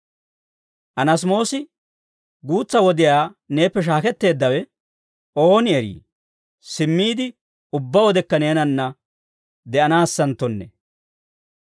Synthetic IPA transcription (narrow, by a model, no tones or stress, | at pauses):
ʔɐnɐs̬mo̞ːsɪ | ɡuːt͡sːɐwɔd̪ɪjaːne̞ːpːɛʃ̬aːkɛt̪ːe̞ːd̪ːɐwɛ | ʔo̞ːnɪɛɾḭː | sɪmːiːd̪ɪ | ʊbːɐwɔd̪ɛkːɐne̞ːnɐnːɐ | d̪ɛʔɐnaːsːɐnt̪ːɔnːɛ̰